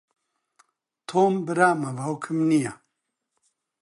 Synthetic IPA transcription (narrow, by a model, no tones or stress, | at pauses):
t̪ʰoːmbɨɾaːmɐvawkʰɨmnija